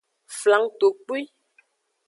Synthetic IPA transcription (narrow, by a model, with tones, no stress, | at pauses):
fla˨˦ŋto˨k͡pi˦